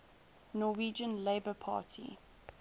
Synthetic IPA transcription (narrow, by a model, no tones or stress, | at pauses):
nɔwiːd͡ʒə̃nleɪbəpʰɑ̰ːˑtʰḭ